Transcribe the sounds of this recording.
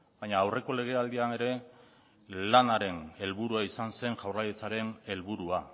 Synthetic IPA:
bajɲaːwre̞ko̞le̞ɣ̞e̞ald̪iane̞ɾe̞ | lanaɾe̞ne̞lβuɾuaisanse̞ŋʝawrajet͡saɾe̞ne̞lβuɾua

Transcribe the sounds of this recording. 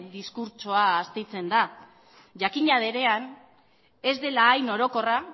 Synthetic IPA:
d̪iskuɾt͡ʃoaːst̪ejt͡se̞nd̪a | ʝakiɲað̞e̞ɾe̞an | e̞zd̪e̞laːjno̞ɾo̞ko̞ra

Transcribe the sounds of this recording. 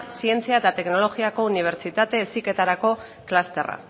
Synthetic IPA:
sie̞nt͡siaet̪at̪e̞kno̞lo̞ɣiako̞uniβ̞e̞ɾt͡ʃit̪at̪e̞ːsike̞t̪aɾako̞ | klast̪e̞ra̰

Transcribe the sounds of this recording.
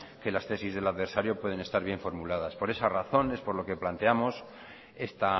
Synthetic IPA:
ke̞last̪e̞sizð̞e̞laðβe̞ɾsaɾjo̞pweð̞e̞ne̞st̪aɾβ̞je̞ɱfo̞ɾmulað̞aspo̞ɾe̞saraθo̞ne̞spo̞ɾloke̞plant̪e̞amo̞s | e̞st̪a

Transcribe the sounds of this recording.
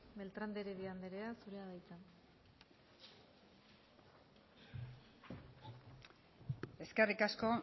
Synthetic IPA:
be̞lt̪ɾand̪eɾeβiand̪eɾeasuɾe̞aðajt͡san | e̞skerikasko̞

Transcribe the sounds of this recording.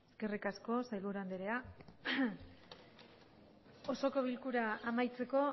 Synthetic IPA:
eske̞rikasko̞sajlβuɾand̪eɾea | oso̞ko̞βilkuɾaːmajt͡se̞ko̞

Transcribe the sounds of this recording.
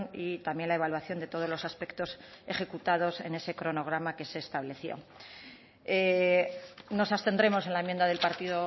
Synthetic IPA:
nit̪amje̞nlae̞βalwaθjond̪e̞t̪o̞ð̞ozlo̞saspe̞kt̪o̞seχe̞kut̪að̞o̞se̞̰ne̞se̞kɾo̞no̞ɣ̞ɾamake̞se̞ːst̪aβle̞θjo̞̰ | e | no̞sast̪e̞nd̪ɾe̞mo̞se̞nlaemjend̪aðe̞lpaɾt̪iðo

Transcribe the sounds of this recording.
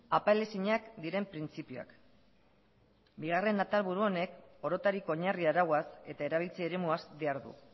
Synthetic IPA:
apaele̞siɲakd̪iɾe̞mpɾint͡sipioa̰k | biɣare̞nat̪alβuɾuo̞ne̞ko̞ɾo̞t̪aɾiko̞ɲariaɾawase̞t̪ae̞ɾaβ̞ilt͡sieɾe̞muazd̪iaɾðṵ

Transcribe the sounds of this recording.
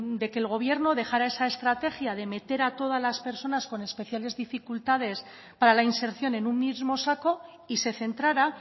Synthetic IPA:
d̪e̞ke̞ːlɣ̞o̞β̞je̞ɾno̞ðe̞xaɾae̞sae̞st̪ɾat̪e̞xjaðe̞me̞t̪e̞ɾat̪o̞ð̞azlaspe̞ɾso̞nasko̞ne̞spe̞θjale̞zðifikult̪að̞e̞s | paɾalainse̞ɾθjo̞ne̞nunmːizmo̞sako̞ | ise̞θe̞nt̪ɾaɾa

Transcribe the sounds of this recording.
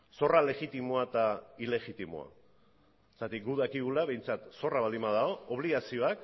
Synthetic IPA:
so̞rale̞ɣit̪imoat̪aile̞ɣit̪imo̰a̰ | est̪at̪ik̚ɡuðakiɣulaβe̞jnt͡sat̪so̞raβald̪imbaðao̞oβ̞liɣasio̞ak

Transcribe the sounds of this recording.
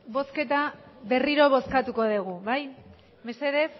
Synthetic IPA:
bo̞ske̞t̪aβe̞riɾo̞β̞o̞skat̪uko̞ðeɣ̞uβaj | mese̞ðe̞f

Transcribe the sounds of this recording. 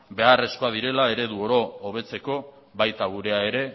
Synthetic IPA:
be̞are̞sko̞aðiɾe̞lae̞ɾe̞ðuoɾo̞ːβ̞e̞t͡se̞ko̞ | βajt̪aɣuɾe̞ae̞ɾe̞

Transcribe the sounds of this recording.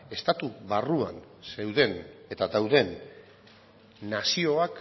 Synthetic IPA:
e̞st̪at̪uβarua̰n | se̞wðe̞ne̞t̪ad̪awðe̞n | asio̞ak

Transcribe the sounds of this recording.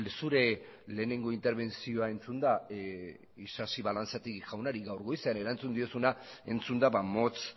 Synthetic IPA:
suɾe̞le̞ːne̞ŋɡo̞int̪e̞ɾβ̞e̞nsio̞ae̞nt͡sund̪a | isasiβalant͡sat̪iɣiʝawnaɾiɣawɾɣo̞jseane̞ɾant͡sund̪io̞sunae̞nt͡sund̪aβamo̞t͡s

